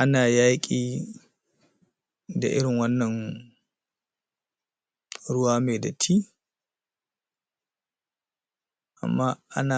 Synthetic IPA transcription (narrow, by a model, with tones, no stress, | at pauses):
ʔa˦naː˨jaː˦kʲʼiː˦ | da˨ʔɪ̰˦ɽɪ˨ŋwɐ˦nːɐ˨n | ɾʊ˦waː˦meː˨da˨tʰiː˦ | ʔa̰˨mːaː˦ʔa̰˦na˨